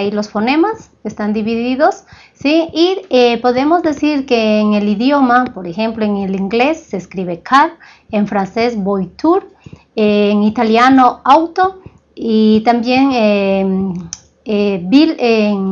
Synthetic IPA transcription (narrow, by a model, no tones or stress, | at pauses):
jlo̞sfo̞ne̞maskest̪and̪iβiðiðo̞sː | iiepo̞ðe̞mo̞zðe̞siɾkeːŋe̞liðjo̞mapo̞ɾexe̞mploeŋeliŋɡle̞sːeskɾiβe̞kʰaɾ | eɱfɾanse̞sbojt̪uɾ | eŋit̪aljano̞awt̪o | it̪ambje̞ŋe | ebileŋ